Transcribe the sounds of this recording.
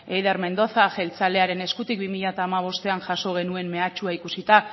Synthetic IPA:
e̞jðaɾme̞nd̪o̞θaʝe̞lt͡sale̞aɾe̞ne̞skut̪ik̚bimiʎat̪aːmaβ̞o̞st̪e̞anʝaso̞ɣ̞e̞nue̞mme̞at͡ʃuaikusit̪a

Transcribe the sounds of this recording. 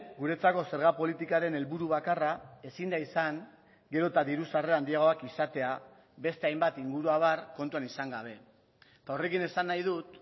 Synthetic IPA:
ɡuɾe̞t͡sako̞seɾɣ̞apo̞lit̪ikaɾe̞ne̞lβuɾuβakarae̞sind̪aisaŋ | ɡe̞ɾo̞t̪aðiɾusareand̪iaɣ̞o̞akisat̪e̞a | be̞st̪e̞ajmbat̪iŋɡuɾuaβ̞arko̞nt̪uanisaŋɡaβ̞e̞ | t̪ao̞re̞kine̞sanːajð̞ut̪

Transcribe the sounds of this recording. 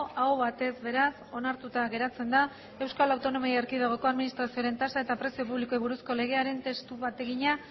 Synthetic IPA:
aoβat̪e̞zβe̞ɾaso̞naɾt̪ut̪aɣe̞ɾat͡se̞nd̪a | e̞wskalawt̪o̞no̞miaeɾkiðaɣ̞o̞ko̞aðminist̪ɾasioɾe̞nt̪asae̞t̪apɾe̞sio̞puβliko̞iβuɾusko̞le̞ɣ̞e̞aɾe̞nt̪e̞st̪uβat̪e̞ɣiɲa

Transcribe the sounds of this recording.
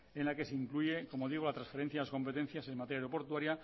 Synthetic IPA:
e̞nlake̞seiŋkluʝe̞ko̞mo̞ðiɣ̞olat̪ɾãnsfe̞ɾen̟θjaðlas̬ko̞mpe̞t̪e̞n̟θjasemat̪ejaɾopo̞ɾt̪waɾja

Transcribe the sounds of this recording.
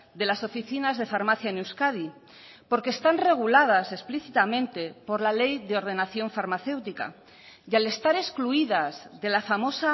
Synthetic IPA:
d̪e̞laso̞fiθinazðe̞faɾmaθjanewskaði | po̞ɾkeːst̪anre̞ɣ̞ulað̞ase̞spliθit̪amẽnt̪e̞po̞ɾlale̞jðeo̞ɾðe̞naθjo̞ɱfaɾmaθe̞wt̪ika̰ | jale̞st̪aɾe̞skluiðazðe̞lafamo̞sa

